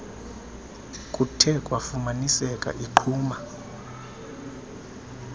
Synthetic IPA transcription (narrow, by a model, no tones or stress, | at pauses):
kʼutʰɛkʼwafumanisɛkʼa̰ʔiǃʰuːma